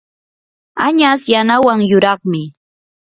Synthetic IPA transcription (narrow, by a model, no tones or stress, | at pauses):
aɲasjanawaŋjʊɾɑχmɪ